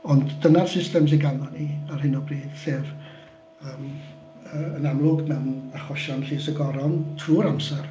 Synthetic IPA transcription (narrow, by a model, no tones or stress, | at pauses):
ɔndːənarsɪstɛms̬ɪnɡalɔniarɦɪnɔbriːd̥seːv | əːm | əːənamlˠʊɡmɛwnaχɔʃɔnɬiːsəɡɔɾɔntʰruːɾamsɛr